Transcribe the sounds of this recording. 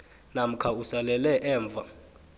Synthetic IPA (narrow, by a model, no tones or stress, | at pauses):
nam̩kʰausalɛlɛʔɛːɱb̪vʱa